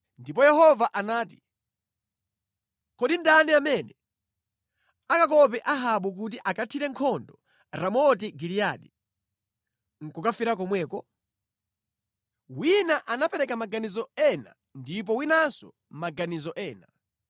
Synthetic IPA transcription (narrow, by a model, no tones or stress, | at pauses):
ndip̬ɔjɛhɔvaʔanaːti̥ | kɔɗindaniamɛnɛ | akak̬ɔpɛʔaɦaɓuk̬ut̬iʔakatʰiɾɛŋkʰɔndɔ | ɾamɔtiɡilijaɗi | ŋ̩kɔkafiɾak̬ɔmwɛːkɔ | winaʔanapɛɾɛkamaɡanizɔɛna̰ | ndip̬ɔwinasɔ̰ | maɡanizɔʔɛːna